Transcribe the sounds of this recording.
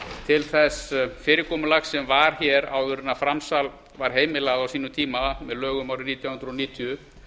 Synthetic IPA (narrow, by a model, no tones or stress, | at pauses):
t̪ʰɪlθɛsfɪːɾɪkʰɔːmʏlaxsɛmvaɾ̥çɛɾa̰wðʏɾnafɾamsal | vaɾ̥ɦeːjmɪlaɣaðawsiːnʏmt̪ʰiːmamɛðlœːɣʏmaːwɾɪniːt̪jawhʏnd̪ɾɔniːt̪ʰiʏ